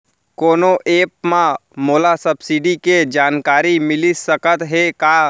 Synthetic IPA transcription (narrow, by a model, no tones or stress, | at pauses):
koːnoʔeːp̚mãmoːlasəbsiɖiked͡ʒaːnkaːɾimɪlisəkət̪ɦekaː